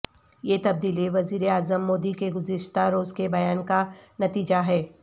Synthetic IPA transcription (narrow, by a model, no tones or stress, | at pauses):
jeːt̪ɐb̚d̪iːliʋɐziːɾeaːzəmːoːd̪ikeɡʊzɪʃt̪aɾoːzkebɐjaːnkanɐt̪iːd͡ʒaɦɛː